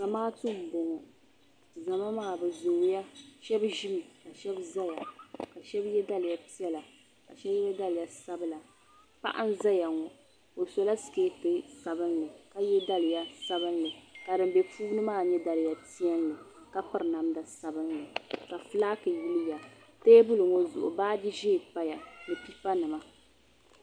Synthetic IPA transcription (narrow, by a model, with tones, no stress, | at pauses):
za˨maː˦tɨ˦m̩˨bo˨ŋɔ˨ | za˨ma˦maː˦˨bɛ˨zoː˨ja˦ʃɛ˦bʒi˦mɨ˨ka˨ʃɛ˦bza˦ja˨ka˨ʃɛ˦bjɛ˦da˦lɨ˨ja˨pi˦ɛ˦la˨ | ka˨ʃɛ˦bjɛ˦da˦lɪ˨ja˨sa˦bɨ˦la˨ | pa̰˦ʔa̰˦n˦za˦ja˨ŋɔ˨ | o˨so˨la˦sɨ̥˨ke˦tɨ˦sa˨bɨ˦nlɨ˨ka˦jɛ˦da˦lɨ˨ja˦sa˦bɨ˦nlɨ˨ka˨dɨ˨m˦bɛ˨pʰuː˦nɨ˦maː˦˨ɲɛ˦da˨lɨ˨ja˨ti˦ɛ˦nlɨ˨ | ka˦pɨ˦ɾɨ˨na˨mda˨sa˨bɨ˦nlɨ˨ka˨fɨ˦laː˦kɨ˨ji˦lɪ˦ja˨ | teː˦bʊ˦lɨ˨ŋo˦zʊ̰˨ʔʊ̰˨baː˦di˦ʒe˦˨pa˦ja˨nɨ˨pi˦pa˦nɨ˨ma˦